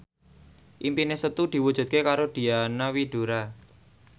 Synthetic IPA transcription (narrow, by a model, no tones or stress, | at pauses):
ʔimpinesət̪ud̪̥i̤wud̥ʒ̥ṳt̪̚kekaɾod̪̥i̤anawiɖ̪̥o̤ɾa